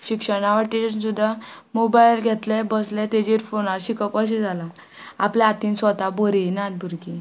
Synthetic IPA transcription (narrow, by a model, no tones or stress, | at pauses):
ɕikʂəɽ̃aʋaʈisud̪ʱːamobajlɡʱet̪lɛbəslɛ̃t̪ed͡ʑiɾfonaɾɕikəpəɕ̬id͡zala | aplaat̪iːnsʋət̪aboɾinad̪̚bʱuɾki